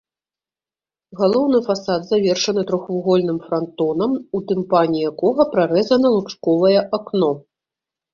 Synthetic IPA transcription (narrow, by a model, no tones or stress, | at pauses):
ɣalˠɔwnɨfasad̪zavʲɛrʂɐnɨt̪ɾɔxvuɣɔlʲnɨmfɾant̪ɔnɐmut̪ɨmpanʲijakɔɣɐpɾaɾɛzɐnɐlˠupʂkɔvɐjɛʔaknɔ